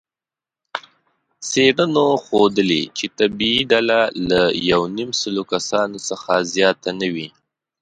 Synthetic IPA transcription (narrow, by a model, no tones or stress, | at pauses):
seɽənoxod̪əlḛt͡ʃet̪abiːɖalalajawnimsəlokasɑnosəxazjɑt̪anəwi